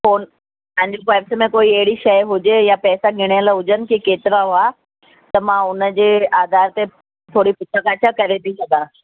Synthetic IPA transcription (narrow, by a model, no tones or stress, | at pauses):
foːn | pɐ̃ɦɪ̃ɲd͡ʑokaːpsmẽkoːiɐɦɪɽiʃɐjɦʊd͡ʑejapɛːsaɡʱɪɽ̃ɪjəlaɦʊd͡ʑənɪ̆kekeːt̪ɪɾaɦʊa | t̪ɐmãʊnəd͡ʑeːaːd̪aːɾt̪e | t̪ʰoːɽipʊt̪ʰəkat͡ɕʰakɐɾet̪ʰisɐɡãː